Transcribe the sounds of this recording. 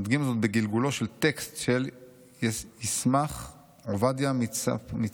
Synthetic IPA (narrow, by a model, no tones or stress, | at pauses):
d̪ɡimazot̪̚beɡilɡulo̞ʃelt̪ekst̪ʃel | jismaχ | ovad̪jammit͡s